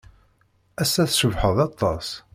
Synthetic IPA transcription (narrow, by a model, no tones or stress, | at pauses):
æsːæθsəvħəðˤɑt̪ˤːɑs